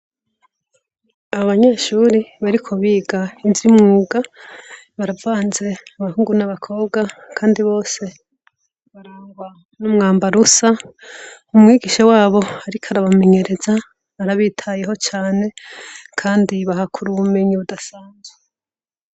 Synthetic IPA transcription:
aβaɲaʃuɾiβaɾikʰo̞βiːɡaiziimŋuːɡa | βaɾavaːnze̞amahuːŋɡunaβakʰo̞ːβɡakʰaːndiβo̞ːse̞ | βaɾaːŋɡwa | numŋaːmbaɾusa | umŋiːɡiʃawaːβo̞haɾikʰaɾaβame̞ɲe̞ɾe̞za | aɾaβiːtʰajeɦo̞t͡ʃaːne̞kʰaːndiβahakʰuɾuβume̞ɲiβudasaːnzwe

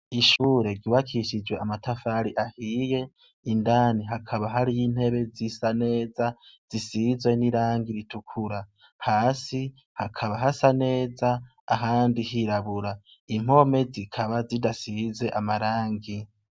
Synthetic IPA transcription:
iʃuːɾe̞ɡɡiwakʰiʃid͡ʒwe̞ʔamatʰafaɾiʔahiːje̞ | indaniɦakʰaβaɦaɾijin̥he̞βe̞zisane̞ːzaz̥isizwe̞niɾaːŋɡiɾitukʰuɾa | haːsi | hakʰaβaɦasane̞ːzaː | ɦaːndihiɾaβuɾa | im̥o̞me̞zikʰaβazidasize̞ʔamaɾaːŋɡi

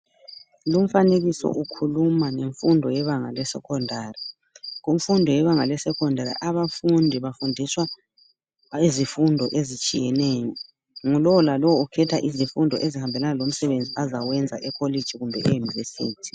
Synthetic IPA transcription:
lum̩faneɣisɔ̰ʔukʰulumaneɱfundʱɔjɛβaŋa̰lɛsɛ̰kʰɔndʱaːri | ɣuɱfundʱɔjɛβaŋalɛsɛkʰɔndʱaɾḭʔaβafundʱiβafundʱiswa | izifundʱɔʔezit͡ʃʼḭjɛnɛːjɔ | ŋulɔwɔlalɔwɔukʰɛtʰaʔizifundʱɔ̰ʔezihambʱɛlanalom̩sɛβend͡zʱiazawɛnd͡zʱa̰ʔɛkʰoli̥d͡ʒ̥ʱiɣumbʱɛ̰ʔejunivesiːtʰi̥

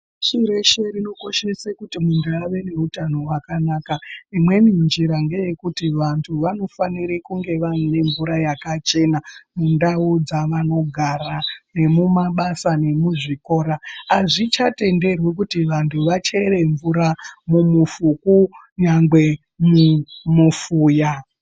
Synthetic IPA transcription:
ʃiɾeʃerino̞ko̞ʃe̞sekutimundʱuaʋe̞ne̞utanoɦwakanaːkaimwe̞mind͡ʒiɾaŋɡe̞je̞kutiʋantʰuʋano̞faniɾekuŋɡe̞ʋanine̞ɱvuɾajakat͡ʃe̞namundaud͡zaʋano̞ɡʱarane̞mumaɓasane̞muʐiko̞ːɾaaʐit͡ʃate̞nde̞rwek̬utiʋantʰuʋat͡ʃe̞re̞ɱvuɾamumufuku | ɲaŋɡwe̞ | mumufuːja

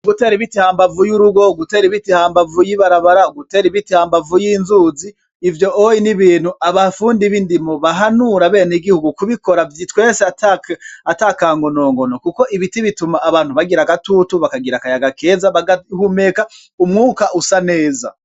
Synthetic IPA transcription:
ɡute̞ːɾiβitihaːmbavujuɾuɡo̞ɡute̞ːɾiβitihaːmbavujiβaɾaβaɾauɡute̞ːɾiβitihaːmbavujiːnzuːziː | vjo̞ʔojiniβiːn̥huʔaβafuːndiβindimoβaɦanuɾaβe̞ːneɡihuɡukuβiko̞ɾavjitweːseatakatakaːŋɡo̞no̞ːŋɡo̞nokuko̞ʔiβitiβitumaːβaːnhuβaɡiɾaɡatutuβakaɡiɾakajaɡakeːzaβaɡahume̞ka | umŋuːkaʔusane̞ːza̰

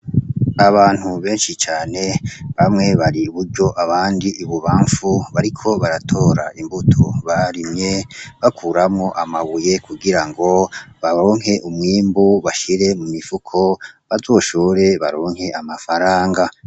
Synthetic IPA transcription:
aβaːn̥huβe̞ːnʃit͡ʃaːne̞βamŋe̞βaɾiβuɾɟo̞ʔaβaːndiʔiβuβaːɱfuβaɾikʰo̞βaɾatʰo̞ːɾaʔimbutʰoβaɾimɲe̞βakʰuːɾamŋo̞ʔamaβuje̞kʰuɡiɾaŋɡo̞βaɾo̞ːŋ̥he̞ʔumŋiːmbuβaʃiɾe̞mumifukʰo̞βazo̞ːʃoːɾe̞βaɾo̞ːŋhe̞ʔamafaɾaːŋɡa

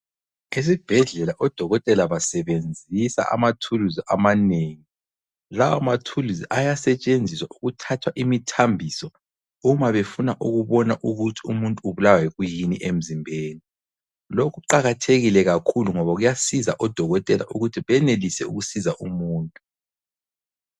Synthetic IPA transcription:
es̬ib̥ʱɛɮɛlaʔɔd̥ʱɔɣɔtʼɛlaβasɛβend͡zʱisa̰ʔa̰matʰuluziʔa̰maneːŋi | lawamatʰuluziʔajasɛt͡ʃʼend͡zʱiswaʔuɣutʰatʰwaʔimitʰambʱisɔ | umaβefunaʔuɣuβɔnaʔuɣutʰi̥umuntʼuuβulawwɛɣujinḭʔem̩zimbʱeːni | lokuǃaɣatʰeɣilɛɣakʰuluŋɔβaɣujasiza̰ʔɔd̥ʱɔɣɔtʼɛla̰ʔuɣutʰiβɛnelisɛuɣusizaʔumuːntʼu

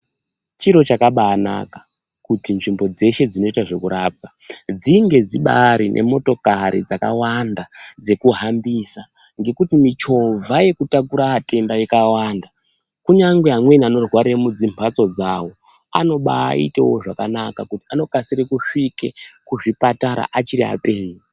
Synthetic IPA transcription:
t͡ʃiɾo̞t͡ʃakaɓaːna̰ka | kutinʐimbo̞d͡ze̞ʃe̞d͡zino̞itaʐe̞kuɾaːb̚a | d͡ziŋɡe̞d͡ziɓa̰ɾinʔe̞̰mo̞to̞kaɾḭd͡zaka̰wandad͡ze̞kuɦambisa | ŋɡe̞kutimit͡ʃo̞vaje̞kutakuɾaːte̞ndajikawaːnda | kuɲaŋɡweɦamwe̞niano̞rwaɾemud͡zimpʰat͡so̞d͡zawo̞ | a̰no̞ɓa̰ḭtewo̞ʐakanakakuti̥ano̞kasirekuʂike̞kuʐipataɾa̰ʔat͡ʃiɾia̰pe̞ːɲi

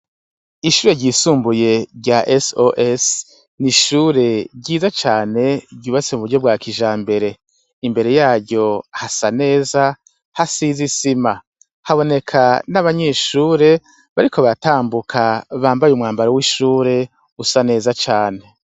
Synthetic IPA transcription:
iʃuːɾe̞ɟiːsuːmbuje̞ɾɟaʔesoʔes | niʃuɾe̞ɟiːzat͡ʃaːne̞ɟɟuːβat͡se̞muβuɾɟo̞b̚ɡaːkiʒaːmbe̞ɾe̞ | imbe̞ɾe̞jaːɾɟo̞hasane̞ːza | hasiːzisima | haβo̞ne̞kʰanaβaɲe̞ːʃuːɾe̞ | βaɾikʰo̞βataːmbukʰaβaːmbajumŋaːmbaɾowiʃuːɾe̞ | usane̞ːzat͡ʃaːne̞

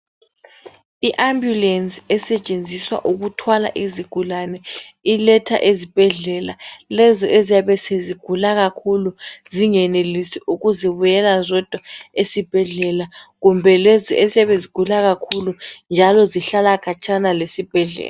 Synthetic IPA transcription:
iʔambjulɛnsʼiɛsɛt͡ʃʼend͡zʱiswa̰ʔuɣutʰwala̰ʔiziɡ̥ʱulanɛilɛtʰa̰ʔezib̥ʱɛɮɛlalɛzɔʔezijaβɛseziɡ̥ʱulaɣakʰuluziŋɛnelisiʔuɣuziβujɛlazɔd̥ʱwaesib̥ʱɛɮɛlaɣumbʱɛlɛziʔezijaβeziɡ̥ʱulaɣakʰulund͡ʒʱalɔziɬalakʰat͡ʃʼanalesib̥ʱɛɮɛ̰ːla

